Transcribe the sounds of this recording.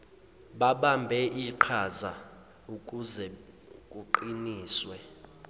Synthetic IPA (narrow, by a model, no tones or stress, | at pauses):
ɓaɓambʱɛʔiǃʰaza | ukʼuzɛ | kʼuǃiniːswɛ